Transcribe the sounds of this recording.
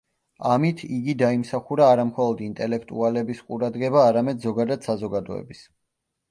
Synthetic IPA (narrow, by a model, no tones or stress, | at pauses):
amit̪ʰiɡid̪aimsaχuɾaːɾamχɔlˠɔd̪int̪ʼɛlɛkʰt̪ʼualɛbisqʼuɾad̪ɡɛbaːɾamɛd̪zɔɡad̪ad̪̥sazɔɡad̪ɔɛ̰bis